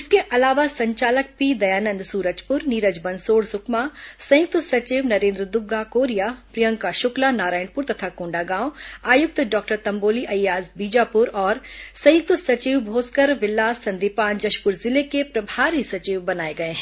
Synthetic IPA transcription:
ɪskeʔɐlaːʋasɐ̃ɲt͡ʃaːlək̚piːd̪ɐjaːnə̃nd̪suːɾəd͡ʒpʊɾniːɾəd͡ʒbɐ̃nsoːɽsʊkmasɐ̃jʊk̚t̪sɐt͡ʃiːʋnɐɾẽːnd̪ɾəd̪ʊɡːakoːɾijapɾɪjə̃ŋɡkaʃʊklanaːɾaːjɪɳpʊɾt̪ɐt̪ʰakõːɳɖaɡãːwaːjʊk̚t̪ɖɔːk̚ʈəɾt̪ɐ̃mboːliʔɐjjaːzbiːd͡ʒaːpʊɾɔːɾsɐ̃jʊk̚t̪sɐt͡ʃiːʋbʱoːskəɾʋɪlːaːsːɐ̃nd̪ipaːnd͡ʒɐʃpʊɾzɪlekepɾɐbʱaːɾisɐt͡ʃiːʋbɐnaːeɡɐeɦɛ̃

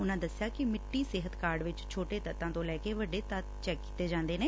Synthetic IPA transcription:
ʊnãːd̪əsjaːkɪmɪʈːiːsɪɦət̪kaːɾɖʋɪt͡ʃt͡ʃʰoːʈeːt̪ət̪ːãːt̪õːlɛːkeːʋəɖeːt̪ət̪t͡ʃɛːkːi̥t̪eːd͡ʒãːnd̪eːneː

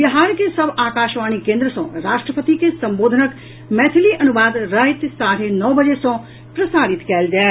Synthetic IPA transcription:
ʋɐɦaːɾkesəbaːkaːʃʋaːñikẽːnd̪ɾəsɔ̰̃ːɾaːʃʈɾəpət̪ikesɐ̃mboːd̪ʱənək | mɛːt̪ʰɪliʔɐnuʋaːd̪ɾəɦit̪saːɾ̤enɔːbəd͡ʒesɔ̃ː | pɾəsaːɾɪt̪kɛld͡ʒaː

